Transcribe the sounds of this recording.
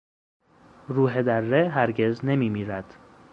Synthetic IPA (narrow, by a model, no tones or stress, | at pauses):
ruːɦed̪ærːeɦæɾɟe̞zne̞miːmiːɾæd̪̥